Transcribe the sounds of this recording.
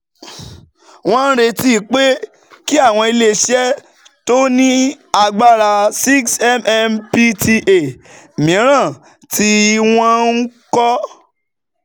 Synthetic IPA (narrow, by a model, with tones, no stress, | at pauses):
w̃ɔ̃˦n̩˦ɾe˧ti˦˨k͡pe˦ | ki˦a˦˨w̃ɔ̃˧i˧le˧˨ʃɛ˦ | to˦nĩ˦ | a˧ɡ͡ba˦˨ɾa˧si˦ksɛ˦mɛ˧mpi˧ti˧ʔe˨ | mĩ˨˦ɾ̃ã˦˨ | ti˧w̃ɔ̃˦n̩˦kɔ˦